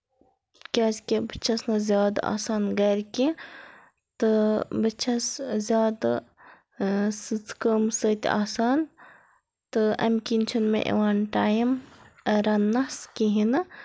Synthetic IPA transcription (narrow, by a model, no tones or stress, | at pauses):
kʲaːskibɨt͡ʃʰɐsnɐzʲjaːd̪aa̰ːsaːnɡɐːɾʲki | t̪ɨbɨt͡ʃʰɐszʲjaːd̪a | sɨt͡skəmsət̪ʲa̰ːsaːn | t̪ɨɐ̰mkʲinʲt͡ʃʰunmḛ̃ʔḛʋanʈaːjmɐɾɐnːɐskiɦinɨ